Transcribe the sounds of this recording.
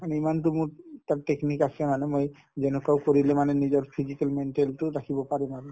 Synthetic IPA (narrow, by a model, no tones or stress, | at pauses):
maneimant̪umut̪aɾʈeknikasʰemanemoj | d͡ʑɛnokawkoɾilemanenid͡ʑɔɾfʰid͡ʑikalmeɳʈelʈoɾakʰibopaɾemane